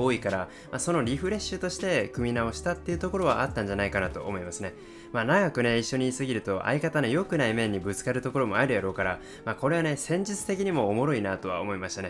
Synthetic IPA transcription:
oːikaɾa | maso̞no̞ɾʲiɸɯ̟ɾe̞ɕɨt̪o̞ɕi̥t̪e̞kɯ̟mʲinao̞ɕi̥t̪at̪ːe̞iɯ̟t̪o̞ko̞ɾo̞βa̰ʔat̪ːãɲ̟d͡ʑanaikanat̪o̞̰ːmo̞imasɨne̞ | maːnaɡakɯ̟ne̞iɕːo̞ɲ̟isɨɡʲiɾɯ̟t̪o̞ʔa̰ikat̪ano̞jo̞kɯ̟naimẽ̞ɲ̟ːibɯ̟t͡sɨ̥kaɾɯ̟t̪o̞ko̞ɾo̞mo̞aɾɯ̟jaɾo̞ːkaɾa | maːko̞ɾe̞βane̞sẽ̞ɲ̟d͡ʑit͡sɨ̥t̪e̞kʲiɲ̟imo̞ːmo̞ɾo̞inat̪o̞βa̰omo̞imaɕi̥t̪ane̞

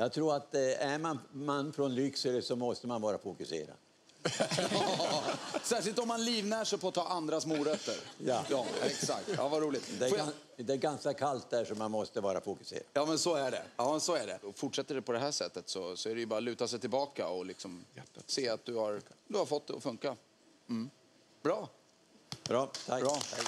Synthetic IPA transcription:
jɑːɡt̪ʰɾuːɾat̪æɾmanmanfɾɔnɾʏksəɾəsɔmɔst̪əmanvɑːɾa̰fʊkɵsḛːɾa̰d̪̥ | sæːʂɪlt̪ɔmːanliːvnæʂɛjpʰɔat̪ʰːɑːʔand̪ɾasmuːɾœt̪ːə̰ɾjɑjɑːɛksa̰k̚t̪ɑ̰ːvaɾuːlɪɡt̪d̪ɛ | d̪ɛːɾɡanskakʰalt̪̚d̪æʂɔmːanmɔst̪əvɑːɾa̰fʊkɵ̥sḛːɾajɑːmɛnsɔæɖɛ̰jɑːmɛnsɔæɖɛ̰ɔfʊʈʂɛt̪ːəɖɛpʰɔd̪ɛɦæːʂɛt̪ːət̪sɔsɔæɾɛjɵbɑːɾalʉ̟ːt̪asɛjt̪ʰɪlbɑːkaɔlɪksɔmseːat̪̚d̪ɵhaɾd̪ɵhaɾfɔt̪̚d̪ɛɔ̰fɵŋka | m̩ | bɾɑː | bɾɑːt̪ʰaɾ

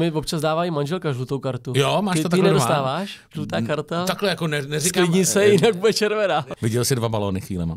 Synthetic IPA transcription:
mɪvop̚t͡ʃazdaːvaːimanʒɛlkaʒlut̪owkaɾt̪ujomaːtɪot̪anɛdost̪aːvaːʃʒlut̪aːkaɾt̪at̪aklɛjakonɛnɛzɪkalːɪɲiːsɛjɪnaɡ̚budɛt͡ʃɛɾvɛnavɪɟɛlsɪdvabaloːnɪxʋiːlɛma̰

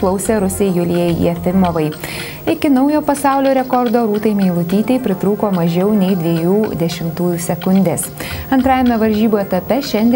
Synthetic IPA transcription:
lˠɐʊsʲeːɾʊsʲɛɪjʊlʲiɛjɛɪḭɛfʲɪmoːʋɐɪ | ɪkʲɪnɐʊjoːpɐsɑˑʊlʲoːɾʲɛkɔɾd̪oːɾuːt̪ɐɪmʲɛɪlˠʊt̪ʲiːt̪ʲɛɪpʲɾʲɪt̪ɾuːkoːmɐʒʲɛʊnʲɛɪd̪ʲʋʲiɛjuːd̪ʲɛʃʲɪmt̪uːjuːsʲɛkʊnʲd̪ʲesɐnt̪ɾɑːjɛmʲɛʋɐɾʲʒʲiːboːɛt̪ɐpʲɛʃʲɛnʲd̪ʲ

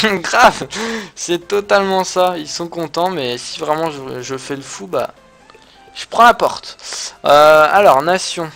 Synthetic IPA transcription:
ɡʁavsɛt̪ɔt̪almɑ̃sailsɔ̃kɔ̃t̪ɑ̃mɛsi̥vʁɛmɑ̃ʒəʒəfɛləfuba̰ | ʒ̥əpχɑ̃lapɔʁt̪øalɔʁnasjɔ̃

